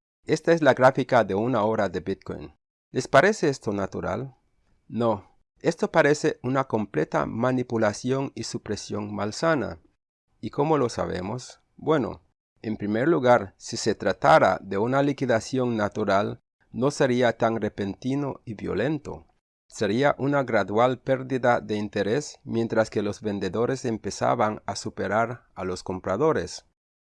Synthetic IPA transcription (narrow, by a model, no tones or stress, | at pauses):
est̪aezlaɣɾafikaðeunaoɾaðebit̪̚ko̰jn | le̞spaɾe̞seest̪onat̪uɾa̰l | no | e̞st̪opaɾeseunako̞mplet̪a̰manipulasjo̞nisupɾesjo̞ŋmalsana̰ | iko̞molo̞sa̰βḛmos | bwe̞no̰ | empɾimeɾluɣaɾsise̞t̪ɾat̪aɾa̰ðe̞unalikiðasjo̞ŋnat̪uɾal | no̞se̞ɾiat̪aŋrepe̞nt̪ino̰iβjo̞̰le̞nt̪o̰ | se̞ɾiaʔunaɣɾaðwalpeɾðiðaðe̞int̪eɾesmje̞nt̪ɾaskelo̞zβe̞nd̪eðo̞ɾe̞se̞mpe̞sa̰βaŋasupe̞ɾaɾalo̞sko̞mpɾaðo̞ɾḛs